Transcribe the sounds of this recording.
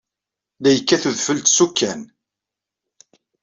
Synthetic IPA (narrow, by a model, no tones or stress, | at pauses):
læjəkːæθuðfəlt̪sukːæn